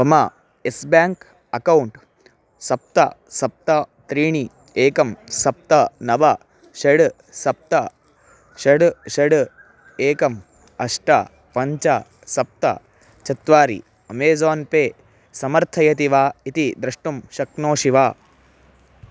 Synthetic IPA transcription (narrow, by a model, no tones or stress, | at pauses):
bɐma | esbaːŋk | ɐkɐwɳʈ | sɐp̚t̪ɐ̰sɐp̚t̪ɐt̪ɾiːɳi | eːkɐmsɐp̚t̪ɐnɐʋɐ | ʃɐɽ | sɐp̚t̪ɐ | ʃɐɽʃɐɽ | eːkɐm | ɐʂʈɐ | pɐɲt͡ʃɐ | sɐp̚t̪ɐ̰ | t͡ʃɐt̪ʋaːɾḭ | ɐmeːzaːnpeː | sɐmɐɾt̪ʰɐjɐt̪iʋaːit̪id̪ɾɐʂʈumʃɐknoːʃiʋaː